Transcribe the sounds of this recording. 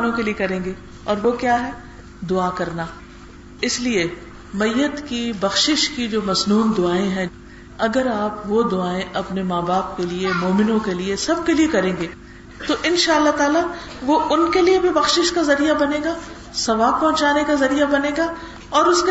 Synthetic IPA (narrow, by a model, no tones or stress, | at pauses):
nõkeliekɐɾẽːŋɡeː | ɔ̰ːɾʋokjaːɦɛː | d̪ʊaːkɐɾnaː | ɪslie | mɐjːət̪kibɐxʃɪʃkid͡ʒoːmɐznuːnd̪ʊaːẽɦɛ̃ | ɐɡəɾaːpʋod̪ʊaːẽʔɐpnemaːbaːp̚keliemoːmɪnõkeliesɐb̚keliekɐɾẽːŋɡeː | t̪oʔɪnʃaːɐlːat̪aːla | ʋoʔʊnkeliebʱibɐxʃɪʃkazɐɾijabɐnẽːɡaː | sɐʋaːb̚pɔ̃ɦt͡ʃaːnekazɐɾijabɐnẽːɡaː | ɔːɾʊske